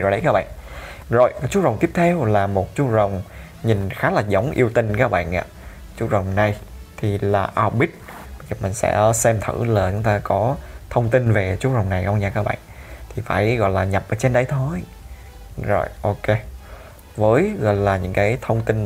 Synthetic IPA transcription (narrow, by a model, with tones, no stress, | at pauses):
o˨˩jɗə˨˦jkaː˦k̚ɓa̰ː˧˨n | zo̰˨˩jkːt͡ɕu˦˥və˨˩wŋ͡mt̪i˦˥əp̚t̪ʰɛ˧wlaː˨˩mo˨˩t̚t͡ɕu˦˥zə˨˩wŋ͡m | ɲi˨˩nxaː˨˦laː˨˩zə˨˦wŋ͡mʔi˧əwt̪ï˧ŋ̟kaː˦˥k̚ɓa̰ː˧˨nʔa̰ː˧˨ | t͡ɕu˦˥t̚zə˨˩wŋ͡mna˨˩jt̪ʰi˨˩laː˨˩ʔaː˧wɓi˦˥t̚ | ɓzəː˨˩mï˨˩ŋ̟sɛ̰˧˥sɛ˧mt̪ʰɨ̰˧˩laː˨˩t͡ɕʊ˨˦ŋ͡mt̪aː˧kɔ˨˦t̪ʰə˧wŋ͡mt̪i˧nve˨˩t͡ɕu˨˦˥t̚zə˨˩wŋ͡mna˨˩jkə̰˧wŋ͡mɲaː˧˩kaː˦˥k̚ɓa̰ː˧˨n | t̪ʰi˨˩fa̰ː˧˩jɣɔ̰˧˨jlaː˨˩ɲə˨˩p̚ʔəː˨˦t͡ɕe˧nɗə˧jt̪ʰo˧j | zo̰˨˩jʔo˧ke˧ | vəː˨˦jɣɔ̰˧˨jlaː˨˩ɲɨ̰˧˥ŋkaː˨˦jt̪ʰə˧wŋ͡mt̪i˧n